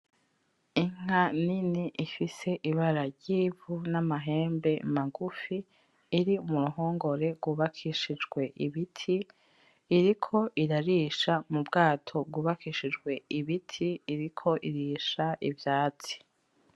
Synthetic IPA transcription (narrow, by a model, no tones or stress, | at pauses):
iŋ̥aniniʔifise̞ʔiβaɾaɾɟiːvunamaɦe̞ːmbe̞maɡufiː | ɾiumuɾuɦoːŋɡo̞ɾe̞ɡwuːβakʰiʃid͡ʒɡwe̞ʔiβitʰiː | ɾikʰo̞ʔiɾaɾiːʃamubɡaːtʰo̞b̚ɡuːβakiːʃid͡ʒɡwe̞iβitʰiːɾikʰo̞ʔiɾiʃaʔivjaːt͡si̥